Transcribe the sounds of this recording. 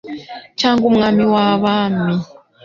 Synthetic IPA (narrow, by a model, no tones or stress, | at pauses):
t͡ʃʰaŋɡum̩ŋamiwaβaːmi